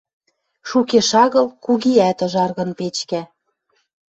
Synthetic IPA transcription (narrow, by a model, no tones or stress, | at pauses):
ʃukeʃɑɣɤ̆lkuɣiæt̪ɤ̆ʒɑrɣɤ̆npet͡ɕkæ